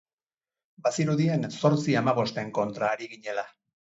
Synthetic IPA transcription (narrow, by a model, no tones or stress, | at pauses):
basiɾuðie̞nso̞ɾt͡siamaβ̞o̞st̪e̞ŋko̞nt̪ɾaːɾiɣiɲe̞la